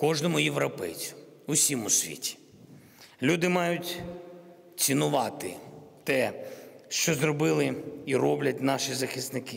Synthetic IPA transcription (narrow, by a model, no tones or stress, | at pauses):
kɔʒnɔmʊjeʋɾɔpɛ̰jt͡sʲʊ̥ | ʊsʲimʊsʲʋʲḭtʲi̥ | lʲud̪ɪmɑjʊt̪ʲ | t͡sʲinʊʋɑt̪ɪt̪ɛʃt͡ʃɔzɾɔbɪlˠɪiɾɔblʲɐt̚ʲnɑʃizɐxɪst̪nɪkɪ